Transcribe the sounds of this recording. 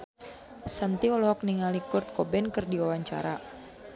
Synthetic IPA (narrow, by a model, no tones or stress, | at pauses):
sant̪iɔlɔɦɔk̚niŋalikurt̪̚kɔbɛnkɨrdiwawaɲt͡ʃa̰ɾa